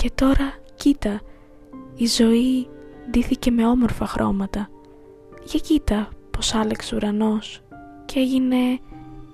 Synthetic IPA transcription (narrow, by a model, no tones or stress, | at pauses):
ce̞t̪o̞ɾɐcit̪ɐ | izo̞id̪iθice̞me̞o̞mo̞ɾfɐxɾʔo̞̰mɐt̪ɐ | ʝɐcit̪ɐpo̞sɐlekseuɾɐno̞s | ce̞ʝine̞